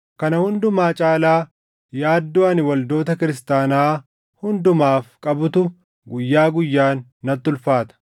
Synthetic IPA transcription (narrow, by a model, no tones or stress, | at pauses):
kɐnɐhʊnd̪ʊmaːt͡ʃʼaːlaː | jaːd̪ːoːɐnɪwɐld̪o̞ːt̪ɐkɪɾɪst̪aːnaː | hʊnd̪ʊmaːfkʼɐbʊt̪ʊ | ɡʊjːaːɡʊjːaːnːɐt̪ːʊlfaːt̪ɐ̥